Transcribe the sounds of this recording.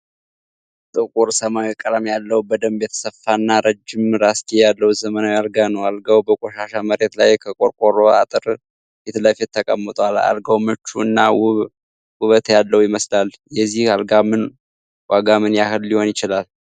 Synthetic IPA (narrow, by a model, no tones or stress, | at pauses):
t̪ʼɨkʼuɾsəmawikʼːəɾəmjalːəwbəd̪əmbjɛt̪ʰə̥səfːanːaɾəd͡ʒːɪmɾast̪ʰʼejalːəwzəmənawjalɡanəwalɡawbəkʼoʃaʃaməɾe̞t̪lajkʰəkʼoɾkʼoɾoa̰t̪ʼɨɾ | bet̪ləfet̪ʰːəkʼə̰mːət̪ʼala̰lɡawmɨt͡ʃːuɨnːaw | wʊβət̪jalːəwujɪməslaljɛzːihalɡamɨn | waɡamɨnjahɨlːiho̞njɪt͡ʃɪlal